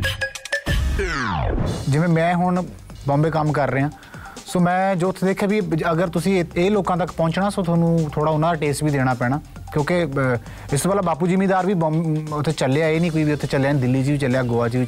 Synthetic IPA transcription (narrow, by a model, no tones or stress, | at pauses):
d͡ʒɪʋẽːmɛ̃ːɦʊɳ | bɔ̃ːmbeːkəmkəɾːeːãː | soːmɛ̃ːd͡ʒoːʊt̪ʰeːd̪eːkʰːjaːbiːəɡəɾt̪ʊsĩːeːloːkãːt̪̬əkpɔ̃ːt͡ʃnaːsoːt̪ʰoːnũːt̪ʰoːɽaːʊnãːd̪aːʈeːsʈbiːd̪eːɽ̃aːpɛːɽ̃aː | kjõːke | ɪst̪oːpaːlaːbaːpuːd͡ʒimiːd̪aːɾʋiːbɔ̃ːmʊt̪ʰːeːt͡ʃəlejaːeːnĩːkoːiːbiːʊt̪ʰːeːt͡ʃəljaːnd̪ɪlːiːd͡ʒiːʋiːt͡ʃəlːejaːɡoːaːt͡ʃiːi